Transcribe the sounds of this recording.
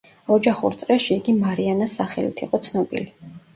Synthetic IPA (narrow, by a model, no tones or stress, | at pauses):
ɔd͡ʒaχṵɾt̪sʼɾɛʃiːɡimaɾianasːaχɛlḭt̪ʰiqʼɔt̪sʰnɔbḭli